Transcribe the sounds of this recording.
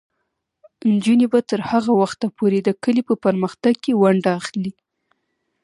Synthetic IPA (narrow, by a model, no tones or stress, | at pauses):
nd͡ʒunebat̪əɾhaɣawaxt̪apoɾed̪əkəlipəpəɾməxt̪aɡ̚kewaɳɖaːxli